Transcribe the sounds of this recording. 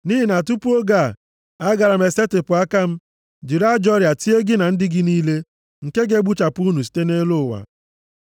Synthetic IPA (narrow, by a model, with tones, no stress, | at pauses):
ni˦ɦi˨na˨t̬u˦pu˦o˦ɡa˦˨ | a˦ɡa˨ɾa˨m̩e˨se˦tɪ˨pʊ˨a˦ka˦m̩˦ | d͡ʒi˨ɾa˦d͡ʒɔ˦ɾja˨ti˦e˦ɡɪ˦na˨n̩˦dɪ˦ɡɪ˦niː˦le˦ | ŋ̩˨ke˦ɡe˦ɡ͡bu˦t͡ʃa˨pʊ˦nu˨s̬i̥˨˦te˦ne˦lo˦˨wa̰˨